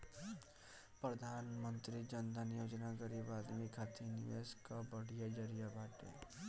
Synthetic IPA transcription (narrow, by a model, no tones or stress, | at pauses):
pɾəd̪ʱaːnmə̃nt̪ɾid͡ʒənd̪ʱənjoːd͡ʒnaɡəɾibaːd̪mikʰaːt̪ʰinɪʋeskabəɽ̤ijad͡ʒəɾijabaːʈḛ